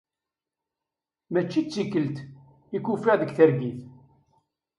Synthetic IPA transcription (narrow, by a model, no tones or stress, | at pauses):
mæt͡ʃːit͡sːikːəlt̪ | ikufiʁðəɡθəɾɡiθ